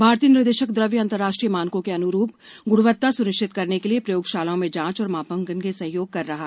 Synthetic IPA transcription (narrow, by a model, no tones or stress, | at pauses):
bʱaːɾt̪ijənɪɾd̪eːʃəkd̪ɾəʋjəɐ̃nt̪əɾːaːʃʈɾijəmaːnkõkeɐnʊɾuːp̚ɡʊɽʋət̪ːasʊɾɪʃʈʰɪt̪kɐɾnekeliepɾɐjoːɡʃaːlõmẽd͡ʒãːt͡ʃɔːɾmaːpəŋɡənkesɐ̃ɦjoːɡ̚kɐɾːɐɦaː